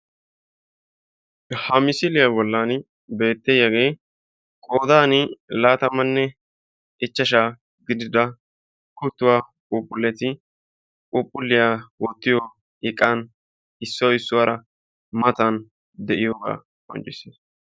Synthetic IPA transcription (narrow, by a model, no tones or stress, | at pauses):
hɐmɪsɪlɪjabɔlːan | be̞ːt̪ːejːɐɡe̞ː | kʼoːd̪aːnɪlaːt̪ɐmɐnːɛ | ɪt͡ʃːɐʃ̬aː | ɡɪd̪ɪd̪ɐ | kʊt̪ːʊwaːkʼʊpʼːʊlːɛt̪ɪ | kʼʊpʼːʊlːɪjawɔt̪ːɪjɔ | ɪkʼːaːn | ɪsːɔwɪsːʊwaːɾʔɐ | mɐt̪ɐn | d̪ɛʔɪjoːɡa̰ː | ɔ̰nt͡ʃːɪseːs